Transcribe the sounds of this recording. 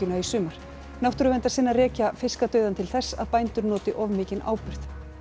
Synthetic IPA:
ʏnaisʏːmaɾ̥ | nawht̪ʏɾʏvɛnt̪asɪnːarɛːcafɪskat̪œɥðant̪ʰɪlθɛsːa̰ðpajnt̪ʏɾnɔːt̪ɪʔɔvmɪːcɪna̰ːwpʏɾ̥θ

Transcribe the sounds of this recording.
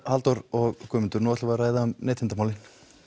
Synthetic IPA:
halt̪ɔɾɔɣkʰœːmʏnt̪ʏɾnɔːat̪lɪvaɾaːjðaamneːjt̪ʰɪnt̪amawlɪn

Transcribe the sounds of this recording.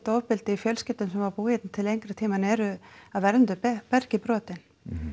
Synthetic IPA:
t̪ɔvpɪlt̪ɪifjœlscɛt̪ɪnsɛmvaɾpuːɪt̪nt̪ʰɪlejŋkɾat̪ʰiːmanɛːɾʏaðvɛɾðɪnt̪ʏpɛɾcɪpɾɔːt̪ɪn

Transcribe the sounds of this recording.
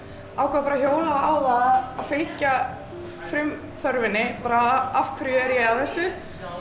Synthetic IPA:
aːwkʰvapaɾaçjoːwlaaaːwðaːðfɪlca | fɾʏm | θœɾvɪnːɪpaːɾaafkʰvɾʏɛɾjaðθɛsːʏ

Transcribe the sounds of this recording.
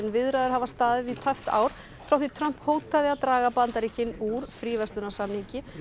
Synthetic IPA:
ɛnvɪðɾaðʏɾ̥havast̪aːðɪðit̪ʰaft̪a̰ːwɾ̥ | fɾawθit̪ʰɾœm̥phoːwt̪aðɪaðt̪ɾaːɣapant̪aɾiːcɪnuɾfɾiːvɛst̪ʏnasamnicɪ

